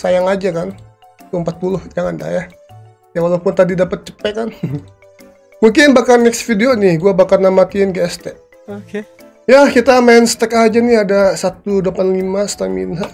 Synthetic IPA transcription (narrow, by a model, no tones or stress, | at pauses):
sajaŋad͡ʒakant̪uəmpat̪̚pulʊhd͡ʒaŋanda̰hja | jawalapʊnt̪adidapət̪̚t͡ʃə̥pɛkan | muŋkɪnbakanɛksfideonɪhɡuabakarnamat̪iɪnɡast̪ɛk̚ | oke | jakit̪amaɛnst̪ɛkaad͡ʒaniadasat̪udlapanlimast̪amḭnɦa